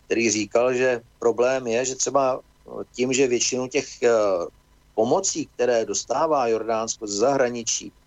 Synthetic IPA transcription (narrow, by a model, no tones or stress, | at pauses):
k̚t̪ɛɾiːriːkalʒɛpɾo̞blɛːmjɛʒɛt̪r̝̥ɛba | cimʒɛvjɛt͡ʃɪnucɛx | po̞mo̞t͡siːk̚t̪ɛɾɛːdo̞st̪aːvaːjo̞ɾdaːnskozɛzaɦɾaɲɪt͡ʃḭː